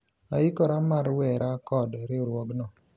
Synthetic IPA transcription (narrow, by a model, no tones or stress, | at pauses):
aikɔɾamaɾwɛɾakɔdɾɪɾwɔɡnɔ